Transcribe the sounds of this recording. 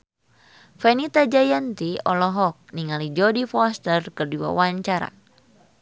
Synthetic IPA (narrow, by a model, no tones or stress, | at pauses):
fɛnit̪ad͡ʒajant̪iɔlɔɦɔk̚niŋalid͡ʒɔdifɔst̪ərkɨrdiwa̰waɲt͡ʃaɾa̰